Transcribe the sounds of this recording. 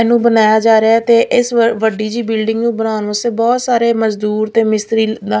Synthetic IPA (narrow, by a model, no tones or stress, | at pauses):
ɛːnũːbənaːjaːd͡ʒaːɾeat̪eːʔɪsʋəɖiːd͡ʒiːbɪlɖɪ̃ŋɡnũːbənaːʊnʋəseːbɔːt̪saːɾeːməzd̪uːɾt̪eːmɪst̪ɾiːaː